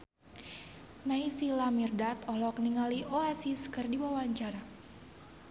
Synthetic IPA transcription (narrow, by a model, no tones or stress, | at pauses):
naisilamirdat̪ɔlɔk̚niŋaliʔoasiskɨrdiwawaɲt͡ʃaɾa